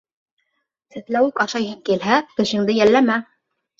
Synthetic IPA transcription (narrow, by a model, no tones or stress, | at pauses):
sɘ̆θlæwɘkɑʃɑjɦɤŋkilɦækɘ̆ʃɘ̆ŋd̪ɘjælːæmæ